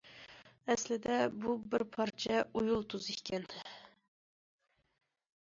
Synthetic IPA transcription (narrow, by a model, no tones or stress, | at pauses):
ɛslɪd̪ɛbubɪɾpʰɑɾt͡ʃʰɛujulˠt̪ʰuzikʲʰɛnd̪ɪ